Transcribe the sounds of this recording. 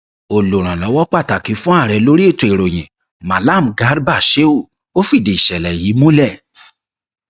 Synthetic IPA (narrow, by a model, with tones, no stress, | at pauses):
o˨lo˨ɾ̃ã˨lɔ˨˦wɔ˦k͡pa˦˨ta˨ki˨˦fũ˦a˦˨ɾɛ˨˦lo˦ɾi˦e˦˨to˨i˨ɾo˨j̃ɛ̃˨ | mã˨la˦˨m̩˨ɡa˨˦ɾba˦˨ʃe˦o˦˨ | o˦fi˦˨de˨i˨ʃɛ˨lɛ˨ji˨˦mũ˦lɛ˦˨